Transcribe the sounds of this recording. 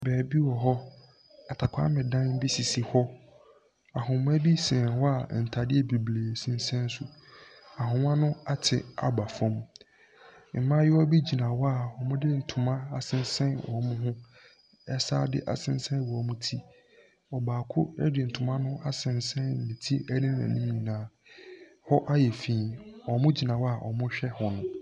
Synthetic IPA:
bɛː˨bi˦wɔ˨ɦɔ˦ | a˨tʰa˨kʷʰa̰˦mɪ̃˨dã˦n˦bi˦si˨si˨hɔ˦ | a˨ɦʊ̃˨m˦æ˦bi˦sɛ̃˨wɔ˦a˦˨n̩˨tʰa˨dɪ˦ɛ˨bi˨bleː˨sĩ˦n˦sɛ̃˦n˦sʊ˦ | a˨ɦʊ̃˨mã˦nʊ̃˦a˦tʰɪ̰˨a̰˨ba˨fɔ̃˦m | m̩˨mã˦jɪ˦wɔ˦bi˦d͡ʑi˨nã˨wɔ˦a˦˨wɔ˨mʊ̃˦dɪ˦n̩˨tʰʊ̃˨mã˦a˨sɪ̃˦n˦sɛ̃˦nʔɔ̰˨˦mʊ̃˦ɦʊ̃˦ | ɛ˦sa̰ː˦dɪ̰˦ʔa˨sɪ̃˦n˦sɛ̃˦n˨wɔ˨ɔ˨˦mʊ̃˦tʰi˦ | ɔ˨baː˨kʰʊ˦ɛ˦dɪ˨n̩˨tʰʊ̃˨mã˦nʊ̃˦a˨sɪ̃˨nsɛ̃˦n̩˨nɪ̃˨tʰi˦ɛ˦nɪ̃˦n˦ã̰˨nĩ˦m˦ɲĩ˨nãː˦ | hɔ˦ʔa˦jɛ˨fĩː˨ɔ˨mʊ̃˦d͡ʑi˨nã˨wa˨ʔɔ̰˨mʊ̃˦ɕᶣɛ˦hɔ̃˨nʊ̃˨

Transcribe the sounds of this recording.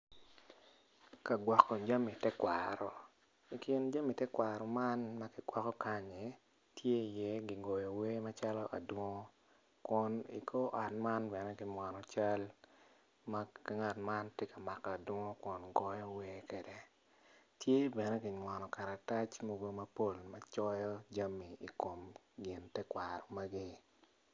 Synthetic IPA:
ka˨ɡwɔ˨kːɔ˨d͡ʒa˦mi˨tɛ˦kwa̰ɾɔ˨ | i˨kɪ˨nd͡ʒa˦mi˨tɛ˦kwa˨ɾɔ˨ma˦nma˦kɪ˨ɡ̥wɔ˨kɔ˦ka˦ɲe˨ | tʰje˦i˨jɛ˦ɡi˨ɡo˨jɔ˨we˦ma˦t͡ʃa˦lɔ˦ʔa̰˨dwɔ˦ŋo˦ | kʊ˨nḭ˨kʰo˦ʔa˨tma˦nbɛ˨nɛ˦ɡɪ˨ɲwɔ˨nɔ˨t͡ʃa˦l | makŋa˨tma˦nte˦ka˨ma˨kːa˨dwo˦ŋo˦kʊ˨nɡɔ˦jɔ˦we˦kɛ˨dɛ˨ | tje˦bɛ˨nɛ˦kɪ˨ɲwɔ˨nɔ˨ka˨ɾa˨ta˦t͡ʃmo˨ɡo˦mɐ˦po˦lma˦t͡ʃɔ˦jɔ˦d͡ʒa˦mːi˨i˨ko˨m | ɡɪ˨ntɛ˦kwa˨ɾɔ˨ma˦ɡi˦

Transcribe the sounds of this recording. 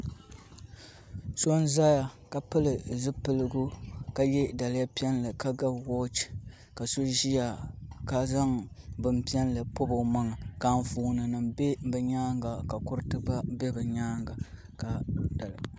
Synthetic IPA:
so˦n˦za˦ja˨ka˨pɨ˦lɨ˨zɨ˦pɨ˦lɨ˦ɡʊ˦ka˨jɛ˦da˨lɪ˦ja˦pi˦ɛ˦nlɨ˨ka˦ɡa˦bwɔ˦t͡ʃ | ka˨so˦ʒi˦ja˨ka˦za˦ŋ | bɨ˨mpi˦ɛ˦nlɨ˨po˦bo˨ma˦ŋa˨ka˦nfuː˦˨nɨ˨nɨ˨mbe˦bɨ˨ɲaː˦ŋɡa˨ka˨kʊ˦ɾɨ˦tɨ˦ba˦be˦bɨ˨ɲaː˦ŋɡa˨ | ka˨da˨l

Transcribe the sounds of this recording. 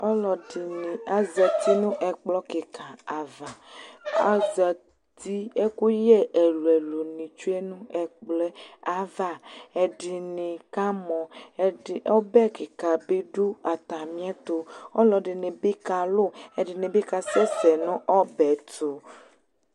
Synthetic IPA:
ɔ˦lɔ˨n˨a˨zɛ˨t̪i˦nũ˦ʔɛ˨k͡plɔ˦ke˨kʰa˨a˨va˨a˨zɛ˨ | t̪i˦e˦ku˦jɛ˦ʔe˨lu˨ɛ˨lo˨nĩ˨t͡ʃu˦e˦nũ˦ɛ˨k͡plɛ˦a˨va˦ɛ˨ɖɪ˨nɪ̃˨ka˦mɔ̃˨˦˨ | ɔ˦bɛ˦ke˨ka˨be˦ɖu˦a˨t̪a˨mĩ˦a˦t̪o˨ɔ˦lɔ˨ɖɪ˨nẽ˨be˦ka˨lʊ˦ɛ˨ɖɪ˨nẽ˨be˦ka˨sɛ˦sɛ˨nũ˦ʔɔ˦bɛ˨t̪o˨

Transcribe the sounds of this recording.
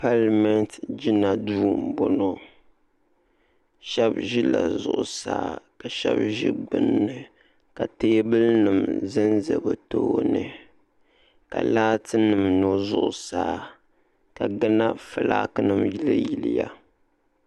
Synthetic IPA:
pa˦lmɛ˦ntd͡ʒi˦na˨duː˦m˨bo˦no˦ | ʃɛ˦bʒi˦la̰˨zʊ˨ʔʊ˨sa̰ː˦ka˨ʃɛ˦bʒi˦ɡ͡bɨ˨nːɨ˨ | ka˨teː˦bɨ˦lnɨ˨mzɨ˦nzɨ˨bɨ˨toː˦nɨ˨ | ka̰˨laː˦tɨ˦nɨ˨mno˦zʊ˦ʔʊ˨saː˦ | ka˨ɡa˦na˦fɨ˨la̰ː˦kɨ˦nɨ˨mji˦lɨ˦ji˨li˦ja˦

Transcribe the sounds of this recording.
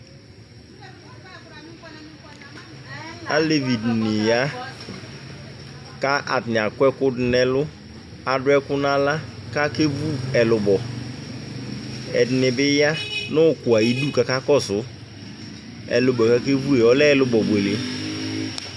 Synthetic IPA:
a̰˦le˦˨vi˨dni˨ja˦ | ka˦ʔa̰˨dɪ˨n˨a˨kʷɛ˦kʊ˦dɪ˨nɛ˦lʊ˦ | a˨dʊ˦ɛ˦kʊ˦na˦la˦ka˦ke˦vu˦ɛ˨lʊ˨bɔ˨ | ɛ˨dɪ˨nɪ˨bɪ˦ja˦nʊ˦˨kʊ˨a˨i˦du˦˨ka˨ka˦kɔ˦sʊ˨˦ | ɛ̰˨lʊ˨bɔ˨ka˦ke˦vu˦e˨ɔ˦lɛ˦˨lʊ˨bɔ˨be˨le˨

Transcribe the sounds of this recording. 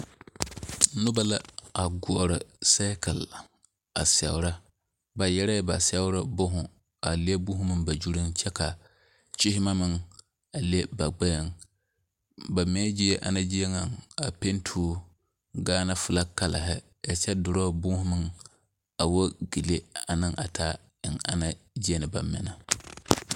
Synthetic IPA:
nʊ˦ba˦la˦a˨ɡʊ˨ʔɾɨ˨sa˦ka˨l | a̰˨sɛ˨wʊ˨ɾa˦ | ba˨jɛ˦ɾɛ˦ba˨sɛ˦wʊ˦ɾɨ˦bʊ˦ɦʊ̃˨ | a˨le˦bʊ˦ɦʊ˦mɨ˦ba˨d͡ʒu˦ɾi˦ŋt͡ʃɛ˦ka˨ | t͡ʃɪ˦hɪ˦ma˦mɨ˦ŋ | a˨le˦ba˨ɡ͡ba˦ja˨ŋ | ba˨mɛ˦d͡ʒi˦ɛ˦ʔa̰˨na˦d͡ʒi˦e˦ŋa˨ŋa˨pe˦ntʰuː˦ | ɡaː˦na˦fʊ˨la˦ka˦la˨ɦɪ˦ | a˨t͡ʃɛ˦dʊ˨ɾɔ˦bʊ˦hʊ˦mɨ˦ŋ | a˨wo˦ɡi˨le˦a˨nɨ˦ŋʔa˨tʰa˦ | ɪ˨ŋa̰˦na˨d͡ʒi˦e˦nɨ˨ba̰˨mːɪ̰˨na˨

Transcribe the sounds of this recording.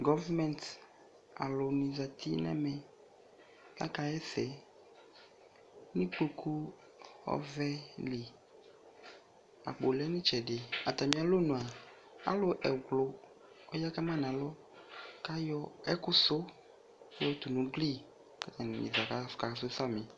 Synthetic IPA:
ɡɔ˦vɛ˦mɛ̃˨nt | a̰˨lʊ˨nĩ˨za˨t̪ʰi˦nɛ̰˦mɛ̃˨ | la˦ka˦ɛ˦sɛ˨ | nĩ˦k͡po˦kʰu˦ | ɔ̰˦vɛ˦li˨ | a̰˨k͡po˨lɛ˦nĩ˦t͡ʃɛ˨dɪ˨a˨t̪a˨mĩ˨a˨lo˦nũ˨a˨ | a̰˦lʊ˨ʔɛ˨ɡlo˨ | o˦ja˦ka˦mã˦nã˨lɔ˦ | ka˦jɔ˦ɛ˦kʊ˦so˦ | ɔ˦t̪u˨nũ˨ɡli˦ | ka˦t̪a˨n˨ḭ̃˨za˨ka˦fka˨˦so˦sa˦mĩ˨

